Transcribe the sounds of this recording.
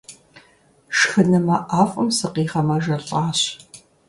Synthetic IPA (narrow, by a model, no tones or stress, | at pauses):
ʃxɨnɨmɐʔaːfʼɐmsɨqiːχɐmɐʒɐɬʼaːɕ